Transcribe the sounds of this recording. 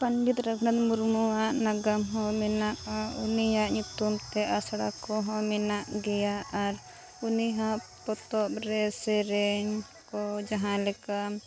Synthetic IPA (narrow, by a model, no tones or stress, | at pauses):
panbit̪ɾəkʰnat̪̚muɾmuaʔnaɡamɦɔ̃mɛnaʔaṵnijaʔɲut̪umt̪ɛʔasɽakɔɦɔ̃mɛnaʔɡɛjaaɾ | uniɦãʔpɔt̪ɔpɾɛsɛɾɛɲ | kɔd͡ʒaɦãlɛkam